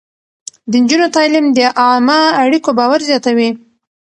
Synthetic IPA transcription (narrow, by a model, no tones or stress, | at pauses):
d̪ənd͡ʒunot̪ɑlɪmd̪əʔɑmaaɽikobɑwaɾzjɑt̪awi